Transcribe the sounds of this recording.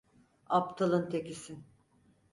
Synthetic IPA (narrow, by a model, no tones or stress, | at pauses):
apt̪ʰalˠɯnt̪ʰekisin